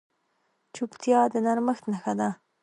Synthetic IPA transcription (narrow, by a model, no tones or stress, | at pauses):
t͡ʃupt̪jɑd̪ənaɾməxt̪naxad̪a